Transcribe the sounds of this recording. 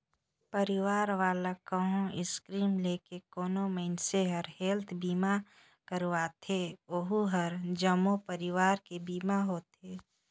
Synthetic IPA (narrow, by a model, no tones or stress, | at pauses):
pəɾɪwaːɾʋaːlakəɦõɪskɾiːmleːkekoːnoməɪnseɦəɾɦeːlt̪ʰbiːma | kəɾwaːt̪ʰeoɦuɦəɾd͡ʒəmopəɾɪʋaːɾkebiːmaɦoːt̪eː